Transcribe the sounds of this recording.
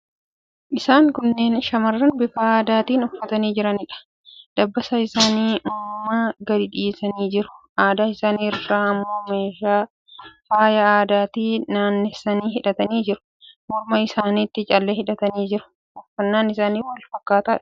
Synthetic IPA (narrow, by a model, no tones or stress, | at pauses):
ʔɪsaːŋkʊnːe̞ːnʃɐmɐrːɐnbɪfaaːd̪aːt̪iːnɔfːɐt̪ɐniːd͡ʒɪɾɐnɪᶑɐ̥ | d̪̥ɐbːɐsɐɪsaːniːʔʊmmaɡɐd̪ɪᶑiːsɐniːd͡ʒɪɾʊ̥ʔaːd̪aːɪsaːniːraːɐmːoːmeːʃaː | faːjɐaːd̪aːt̪iːnaːnːɛsːɐniːhɪᶑɐt̪ɐniːd͡ʒɪɾʊ̥ | mɔɾmɐɪsaːniːt̪ːɪt͡ʃʼɐlːɛhɪᶑɐt̪ɐniːd͡ʒɪɾʊ̥ | ʔɔfːɐnːaːnɪsaːniːwɐlfɐkːaːt̪aːᶑɐ̥